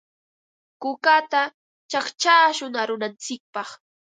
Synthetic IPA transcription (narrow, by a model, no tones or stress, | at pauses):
kʊkat̪a | t͡ʃaχt͡ʃaːʃʊŋaɾʊnant͡sɪk̚pɑχ